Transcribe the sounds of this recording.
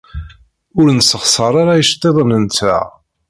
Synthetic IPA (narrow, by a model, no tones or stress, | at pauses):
ʊɾnsəχsˤəɾˤaɾajəʃt̪ˤːeðˤənəntæ̰